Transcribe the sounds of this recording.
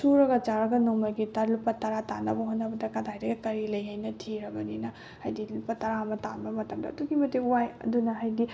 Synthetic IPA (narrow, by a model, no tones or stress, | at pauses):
suɾɐɡɐt͡ʃaɾɐɡɐnomɐɡitɐɾlupɐtɐɾatanɐbɐɦonːɐbɐdɐkadʰajdɐɡɐkɐɾilɐjɦajnɐtʰiɾɐbɐninɐ | hɐjdilupɐtɐɾamɐtanbɐmɐtɐmdɐ̰ːduɡimɐteuwajɐ̰dunɐɦɐjdi